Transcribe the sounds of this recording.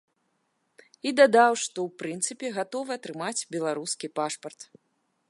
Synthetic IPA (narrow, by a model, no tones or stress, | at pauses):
id̪ad̪awʂt̪ɔwpɾɨnt̪sɨpʲɛɣat̪ɔvɨɐt̪ɾɨmat͡sʲbʲɛlˠaɾuskʲipaʂpɐrt̪